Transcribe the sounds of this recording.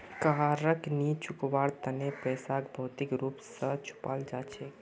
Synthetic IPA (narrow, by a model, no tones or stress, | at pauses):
kaɾəknit͡ʃʰʊkʋaːɽt̪ənepɛːsakbʱɔːt̪ikɾuːpsət͡ʃʰʊ̥paːld͡ʒaːt͡ʃʰe